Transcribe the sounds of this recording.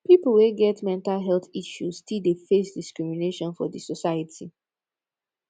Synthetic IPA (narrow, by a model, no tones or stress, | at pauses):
pipl̩weɡɛtmɛ̃ntalɦɛlθiʃuz̥tidefesdiskɹimineʃɔ̃nfɔdisɔsajətʰi